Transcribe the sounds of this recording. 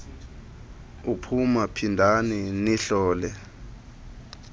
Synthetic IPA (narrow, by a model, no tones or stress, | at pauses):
upʰumapʰindʱaniniɬɔːlɛ